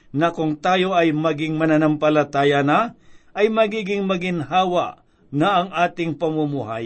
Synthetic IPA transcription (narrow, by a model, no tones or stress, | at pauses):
nɐkʊŋt̪aːjo̞ʔɐjmɐɡɪŋmɐnɐnɐmpɐlɐt̪aːjɐnɐʔɐjmɐɡiːɡɪŋmɐɡɪnhaːwɐʔ | nɐʔɐŋʔaːt̪ɪŋpɐmumʊɦa̰j